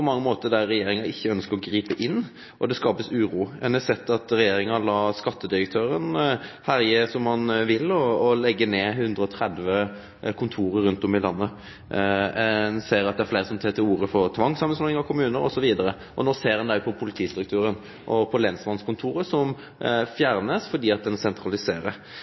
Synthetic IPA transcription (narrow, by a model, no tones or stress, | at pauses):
pʰɔmɑŋːəmoːt̪əd̪æːɛjeːɾɪŋɑʔɪçːəœnskəɾɔɡɾiːpəʔɪnː | ʔɔd̪ɛskɑːpəsʉːɾuːɛnɛsɛt̪ːɑt̪ɾɛjeːɾɪŋɑlɑːskɑt̪ːəd̪ɪɾək̚t̪ʰøːɾənhæɾjəsɔmhɑnʋɪlːɔːlɛɡːəneːɦʉnd̪ɾəɔt̪ʰɾɛd̪ʋə | kʰʊnt̪ʰuːɾəɾːʉnt̪ɔmɪlɑnːə | ɛnseːɾɑt̪d̪ɛæɾfleɪɾəsɔmt̪ʰeːt̪ɪluːɾəfɔɾt̪ʰʋɑŋːsɑmːənsmɔɪŋɑʋkʰʊmʉːnəɾɔ̰sɔʋiːd̪əɾə | ʔɔnoːseːɾdɛnd̪æɪpʰɔpʰʊlɪt̪ʰiːst̪ɾʉkt̪ʉːɾən | ʔɔpʰɔlɛnslɑnskʰʊnt̪ʰuːɾəsɔm | fjæɾnəsfɔd̪iːɑt̪̚d̪ɛnsɛnt̪ʰɾɑlɪseːɾə